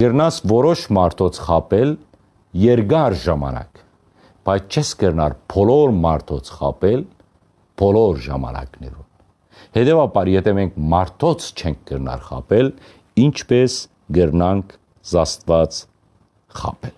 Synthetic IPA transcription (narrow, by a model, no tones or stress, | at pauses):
ɡ̥əɾnɑsvɔɾɔʃmɑɾt̪ʰɔt͡sʰχɑpɛl | jɛɾɡɑɾʒɑmɑ̰nɑ̰k | b̥ɑjt͡sʰt͡ʃʰɛsɡəɾnɑ̰ɾbʰɔlɔɾmɑɾt̪ʰɔt͡sʰχɑ̰pɛl | b̥ɔlɔɾʒɑ̰mɑ̰nɑ̰knɛ̰ɾun | hɛt̪ɛvɑbɑɾjɛt̪ʰɛmɛŋkʰmɑɾt̪ʰɔt͡sʰt͡ʃʰɛŋk̚ʰɡ̥əɾnɑ̰ɾχɑ̰pɛl | int͡ʃʰpɛs | ɡəɾnɑŋkʰ | zɑst̪vɑt͡s | χɑ̰pɛl